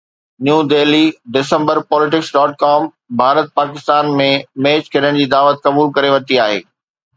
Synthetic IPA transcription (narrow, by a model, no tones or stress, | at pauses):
njũːd̪eːliɖɪsə̃mbəɾpɔːlɪʈɪksɖɔːʈ̚kaːm | bʱaːɾət̪̚paːkɪst̪aːnmẽmeːt͡ɕkʰɐɾəɽ̃d͡ʑiːd̪aːʋət̪̚kɐbuːlkɐɾeʋɐt̪iaːɦḛː